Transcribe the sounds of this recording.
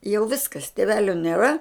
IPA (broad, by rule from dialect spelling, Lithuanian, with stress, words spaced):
jɛʊ ˈʋʲɪskɐs tʲeːˈʋʲæːlʲoː nʲeːˈrɐ